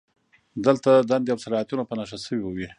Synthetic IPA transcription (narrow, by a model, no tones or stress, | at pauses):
d̪əlt̪ad̪and̪eawsalɑat̪unopənaʂasəwiwəwi